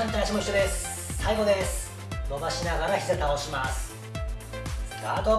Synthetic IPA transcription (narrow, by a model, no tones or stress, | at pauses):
ãnt̪aiɕimo̞içɕːo̞d̪e̞sɨ̥ | saiɡo̞d̪e̞sɨ̥ | moɡaɕinaɡaɾaçʲi̥se̞t̪aoɕimasɨ̥ | ɡa̰ːt̪o